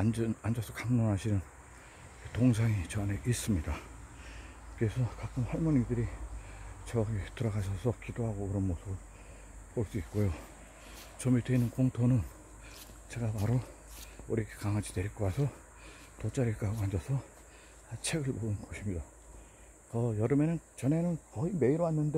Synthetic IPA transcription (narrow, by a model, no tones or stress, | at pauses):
annand͡ʑʌsʰʌkamnonɦaɕʰinɯn | etoŋsʰaŋit͡ɕʌane̞ʔis͈ɯmɲida | kɯɾesʰʌkak͈ɯmhʌɭmʌnidɯɾi | t͡ɕʌɡitɯɾʌɡaɕʰʌsʰʌkidoɦaɡokɯɾʌnmosʰɯbɯɭ | poɭs͈uik̚k͈ojo | t͡ɕʌmidweinɯnkoŋtʰonɯn | t͡ɕe̞ɡapaɾo | uɾikʰe̥kaŋɦad͡ʑine̞ɾik͈ʰowasʰʌ | tot͡ɕ͈aɾiɭk͈aɡoɦand͡ʑʌsʰʌ | t͡ɕʰe̞ɡɯɭmoɯnɡʌɕʰimɲida | kʌjʌɾɯmenɯnt͡ɕʌne̞nɯnkʌime̞iɾoanːɯnde